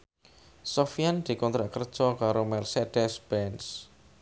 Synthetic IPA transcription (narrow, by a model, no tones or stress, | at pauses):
sɔfijand̪̥i̤kɔnt̪ɾaʔkərd̥ʒ̥ɔkaɾomɛrsed̥ɛsb̥ɛns